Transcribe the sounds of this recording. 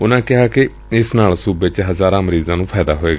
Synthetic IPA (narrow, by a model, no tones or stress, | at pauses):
ʊnãːkɪɦaːkɪ | ɪsnaːlsuːbɪt͡ʃɦəzaːɾãːməɾiːzãːnũːpʰɛːd̪a̰ːɦoːeːɡaː